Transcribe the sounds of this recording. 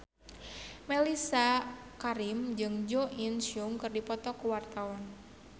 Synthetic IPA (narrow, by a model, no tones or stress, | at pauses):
mɛlisa | kaɾimd͡ʒɨŋd͡ʒoʔinsuŋkɨrdipɔt̪ɔkuwart̪awɔn